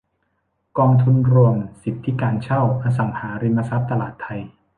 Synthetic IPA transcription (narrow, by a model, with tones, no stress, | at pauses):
kɔː˧ŋt̪ʰu˧nɾu˧əmsi˨˩t̪ʰːi˦˥kaː˧nt͡ɕʰa˥˩wʔaː˧s̬a˨˩ŋhaː˩˦ɾi˧mːa˧sa˦˥p̚t̪a˧laː˨˩t̪ʰːa˧j